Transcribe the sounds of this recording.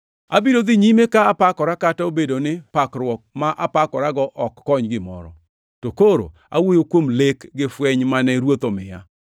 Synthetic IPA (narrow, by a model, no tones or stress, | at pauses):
a̰bidod̪ɪɲimekaːpakɔɾakataobedonɪpakɾwɔk̚maʔapakɔɾaɡɔʔɔkːɔɲɡɪmɔ̰ɾɔ̰ | tokoɾo̰ | a̰wojokwomlekɡɪfwɛɲmanɛɾwot̪omɪja̰